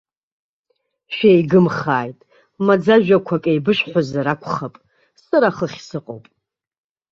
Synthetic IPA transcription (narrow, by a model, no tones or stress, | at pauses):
ʃᶣejɡɨmχaːjtʼ | mad͡zaʒᶣakʷʰakʼejbɨʃʼħʷazaɾakʷʰʼχapʼ | saɾaχəχʲsɨqʼo̰wpʼ